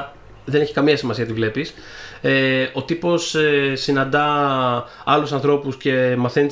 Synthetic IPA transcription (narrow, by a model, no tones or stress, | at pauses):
ðe̞ne̞çi̥kɐmiɐsimɐsiɐt̪ivle̞pis | eo̞t̪ipo̞sesinɐnd̪ɐ | ɐlusɐnθɾo̞pusce̞mɐθe̞n